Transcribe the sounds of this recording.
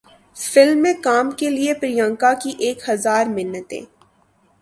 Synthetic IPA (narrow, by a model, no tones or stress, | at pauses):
fɪlmːẽkaːmkeliepɾijãːŋkakiʔeːkhɐzaːɾmɪnːət̪ḛ̃ː